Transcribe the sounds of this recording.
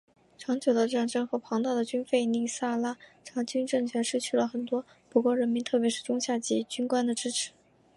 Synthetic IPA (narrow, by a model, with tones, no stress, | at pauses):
ʈ͡ʂʰɑ˧˥ŋt͡ɕjo˨˩ʊd̪ə˦ʈ͡ʂɤ˥a˧˥˩ŋʈ͡ʂɤ˥nxɤ˧˥pʰɑ˧˥ŋt̪ɑ˥˩ʊd̪ə˩t͡ɕy˥nfe˥˧ɪni˥˩sa˥˩la˥ʈ͡ʂʰɑ˧˥t͡ɕy˥nʈ͡ʂɤ˥˩ŋt͡ɕʰɥɛ˧˥nʂɻ̩˥˧t͡ɕʰy˥˩lə˩xə˨˩nt̪wɔ˥ | pu˧˥kwɔ˥˩ɻə˧˥nmi˧˥nt̪ʰɤ˥˩pjɛ˧˥ʂɻ̩˥˩ʈ͡ʂʊ˥ŋɕja˥˩t͡ɕi˥˩t͡ɕy˥nkwa˥nd̪ə˨ʈ͡ʂɻ̩˥ʈ͡ʂʰɻ̩˧˥